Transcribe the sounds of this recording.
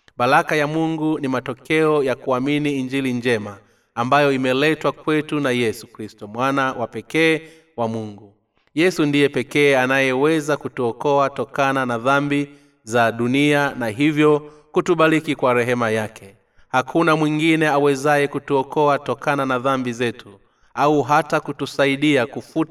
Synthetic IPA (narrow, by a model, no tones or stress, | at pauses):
ɓalakajamuŋɡunimatɔkɛɔjakuaminiːnd͡ʒilind͡ʒɛmaː | mbajɔimɛlɛtwakwɛtunajɛsukɾistɔmwanawapɛkɛː | wamuŋɡu | jɛsundijɛpɛkɛːanajɛwɛzakutuɔkɔatɔkananaðambi | zaɗunianaɦivjɔ | kutuɓaɾikikwaɾɛɦɛmajakʰɛ | hakʰunamwiŋɡinɛawɛzajɛkutuɔkɔatɔkananaðambizɛtʰu | auɦatakutusaiɗiakufut